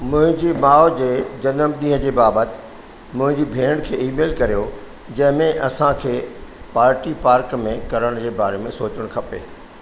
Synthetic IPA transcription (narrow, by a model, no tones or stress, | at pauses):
mʊ̃ɦɪ̃ɲd͡ʑimaːod͡ʑeːd͡ʑɐnəmɗĩːɦə̃d͡ʑeːbaːbət̪ɪ̥ | mʊ̃ɦɪ̃ɲd͡ʑiːbʱeːɽ̃kʰeːiːmeːlkɐɾijo | d͡ʑɐ̃ɦɪ̃mẽʔɐsãkʰeː | paːɾʈipaːɾkmẽkɐɾəɽ̃d͡ʑeːbaːɾemẽsoːt͡ɕəɽ̃kʰɐpḛː